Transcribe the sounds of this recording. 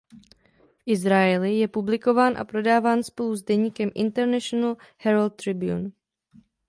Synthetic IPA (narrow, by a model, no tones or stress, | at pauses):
fʔɪzɾajɛlɪjɛpublɪko̞vaːnʔa̰pɾo̞daːvaːnspo̞luzdɛɲiːkɛmʔɪnt̪ɛɾnɛʃonalhɛɾalt̪ːɾɪbjṵn